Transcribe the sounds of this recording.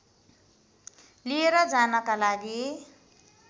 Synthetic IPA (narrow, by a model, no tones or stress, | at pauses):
lieɾʌd͡zanʌkalaɡi